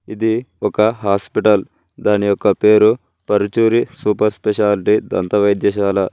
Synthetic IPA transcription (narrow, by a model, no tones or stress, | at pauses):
id̪iɔkɐɦaːspiʈɐl | d̪aːnijɔkːɐpeːɾu | pɐɾut͡ʃuːɾisuːpɐɾspɛʃaːliʈid̪ɐ̰nt̪ɐʋɐjd̪jɐːʃaːlɐ